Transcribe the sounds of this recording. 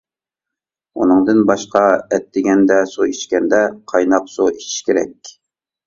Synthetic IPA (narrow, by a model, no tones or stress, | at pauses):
ṵnɨŋd̪ɨnbɑʃqɑɛt̪̚d̪ɪɡʲɛnd̪ɛsuit͡ʃkʲɛnd̪ɛqʰɑjnɑqsoit͡ʃʰi̥ʃkʲeɾɛ̰kʲ